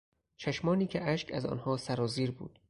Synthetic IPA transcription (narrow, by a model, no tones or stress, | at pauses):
t͡ʃʰæʃmɒːniːcʲʰeʔæʃkʰæzɒ̰ːnhɒːsæɾɒːziːɾbṵːd̪̥